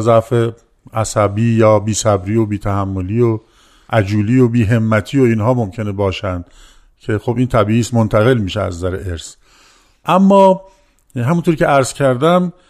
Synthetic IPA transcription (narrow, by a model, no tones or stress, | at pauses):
zæfe | ʔæsæbiːjɒːbiːsæbɾiːo̞biːt̪ʰæhæmːoliːo | ʔæd͡ʒuːliːobiːɦe̞mːæt̪ʰiːoiːnɦɒːmo̞mcʰe̞nebɒːʃænd̪̥ | cʰe̞xobʔiːnt̪ʰæbiːʔiːsmont̪ʰæɣe̞lmiːʃeæ̰zːæɾeʔeɾs | ʔæmːɒː | ɦæmunt̪ʰoɾcʰeæɾz̥cʰæɾd̪æm